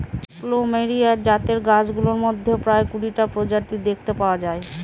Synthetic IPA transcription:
klomeɾiaɾd͡ʑat̪eɾɡad͡ʑɡuloɾmod̪ʱːepɾaekuɽiʈapɾod͡ʑat̪id̪ek̚ʰt̪epaoad͡ʑae

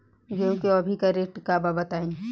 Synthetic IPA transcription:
kjõːkeɐbʱikɐɾek̚ʈkababɐt̪aːẽː

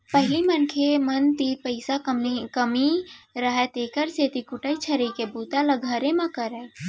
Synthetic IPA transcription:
pəɦɪlimənkʰemənt̪ipəɪsamkəmiɾəɦet̪eːkəɾset̪ikʊʈəit͡ʃʰəɾəkebuːt̪aləɡʱaːɾemãkəɾə

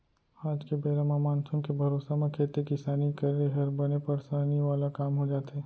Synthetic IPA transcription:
aːd͡ʒkebeːɾamamãːnt̪ʰʊnkebʱɐɾoːsamẽkʰeːt̪ekɪsaːnikɐɾeɦɐɾbɐnepɐɾsaːniʋaːlakaːmɦod͡ʒaːt̪ɦɛː

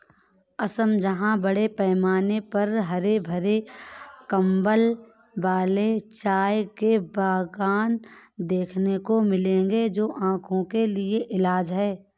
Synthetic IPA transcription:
ɐsəmd͡ʒɐɦãbəɽepɛːmaːnepɐɾɦɐɾebʱəɾekɐ̃mbəl | ʋaːlet͡ʃaːjkebaːɡaːnd̪eːkʰnekomɪlẽːŋɡed͡ʒoːʔãːkʰõkelɪeʔɪlaːd͡ʒɦɛː

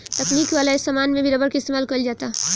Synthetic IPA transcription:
t̪ɐkniːkʋaːlaesamaːnmẽbʱiɾəbəɾkeɪst̪eːmaːlkəld͡ʒaːt̪a

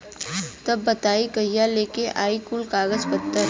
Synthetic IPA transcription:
t̪ɐbːɐt̪aːikəjaleːkeʔaːikulkaːɡəzpət̪ːə

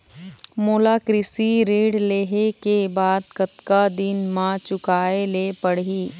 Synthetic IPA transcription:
moːlaːkɾɪsiɾeːɽleːɦekebaːd̪̚kɐt̪kad̪ɪnmãt͡ʃʊkaːelepɐɽ̤ɦiː

